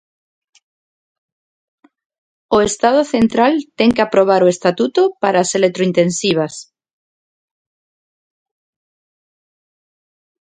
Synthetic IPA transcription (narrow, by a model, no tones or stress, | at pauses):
oest̪aðoθent̪ɾalt̪eŋkeapɾoβ̞aɾoest̪at̪ut̪opaɾaːselet̪ɾoint̪ẽnsiβ̞as